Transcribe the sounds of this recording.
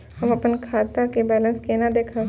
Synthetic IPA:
ɦɐmɐpənkʰaːt̪akebɛːlə̃nskenad̪eːkʰa

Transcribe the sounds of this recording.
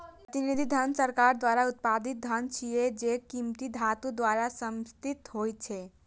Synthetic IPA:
pɾət̪inid̪ʱid̪ʱənsəɾkaɾd̪ʋaɾaut̪̚pad̪it̪̚d̪ʱənt͡ʃʰijed͡ʒekimt̪id̪ʱat̪ud̪ʋaɾasəmst̪it̪ɦojt͡ʃʰe

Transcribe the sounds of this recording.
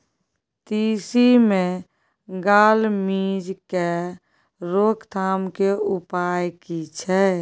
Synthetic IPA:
t̪isimẽ | ɡaːlmid͡ʒke | ɾokt̪ʰaːmkeupaːjkit͡ʃʰɛ

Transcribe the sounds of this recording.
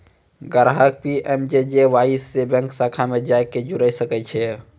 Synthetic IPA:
ɡəɾɦək̚piʔɛmd͡ʒed͡ʒeʋaːisːebɛ̃ŋksakʰamed͡ʒaːeked͡ʒʊɾəjsəkɛt͡ʃʰɛ

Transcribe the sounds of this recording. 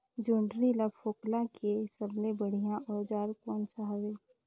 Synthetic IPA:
d͡ʒuːɳɖɾilafoːklãkesəbnebəɽ̤ijãʔɔːɾd͡ʒaːɾkɔ̃ːnt͡ʃaɦʋeː

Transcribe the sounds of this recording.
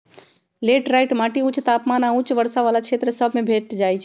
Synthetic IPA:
leʈɾajʈmaʈiut͡ʃt̪apmanaut͡ʃʋəɾsaʋalat͡ʃʰet̪ɾəsəbʱmebʱeʈd͡ʒajt͡ʃʰ

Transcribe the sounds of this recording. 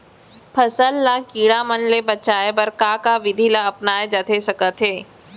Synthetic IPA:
pʰɐsəlːakiːɽamənlebɐt͡ʃaːepɐɾkakaʋɪd̪ʱilaɐpnaːed͡ʒat̪ʰesɐkət̪ɦeː

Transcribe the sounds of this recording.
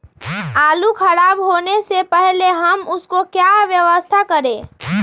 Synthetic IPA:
aːlukʰəɾaːbɦoːnesepɛɦleɦəmʊskokjaʋjəʋəst̪ʰakəɾẽː

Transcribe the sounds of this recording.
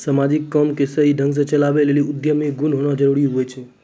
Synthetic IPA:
səmad͡ʒikːəmkesəɦiɖʱəŋɡs̬ət͡ʃəlaʋeleliʊd̪jəmiɡunɦoɽ̃ãd͡ʒəɾuɽjũɦojt͡ʃʰe

